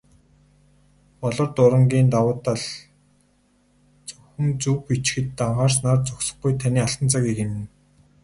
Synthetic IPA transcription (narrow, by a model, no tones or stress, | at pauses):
pɔɮɞ̆rt̪ʊɾə̆ŋɡʲiːnt̪awʊːt̪aɮ | t͡sɵxɵ̆nt͡supit͡ɕxɘ̆t̪ːaɴχaːrsnaːrt͡sɔksɞ̥̆χɡujt̪ʰaniːaɬt̪ə̆nt͡saɣiːkemɘ̆n